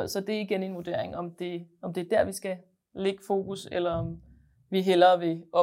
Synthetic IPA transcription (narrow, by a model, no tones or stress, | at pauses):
sɒ̽d̥e̝æɐiɡ̥ene̝nʋod̥e̝ɐ̰eŋɒ̽md̥e̝ɒ̽md̥e̝æɐd̥æɐ̰ʋisɡ̥æ | le̝ɡ̥fo̝̰ːɡ̥uselɐɒ̽m | ʋiɦel̰ɐʋe̝ɒ̽